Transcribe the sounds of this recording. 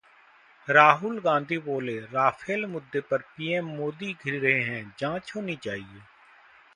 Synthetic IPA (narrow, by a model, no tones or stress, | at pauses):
ɾaːɦʊlɡãːnd̪ʱiːboːleːɾaːfʰeːlmʊd̪ʱːeːpəɾpiːɛːmːoːd̪iːɡʱɪɾiːɾəɦeːɦɛ̃ːd͡ʒãːt͡ʃɦoːnĩːt͡ʃaːɦieː